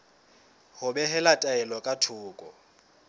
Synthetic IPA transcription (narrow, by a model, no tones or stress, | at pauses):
hʊbɛɦɛlatʼaɛlɔkʼatʰʊːkʼɔ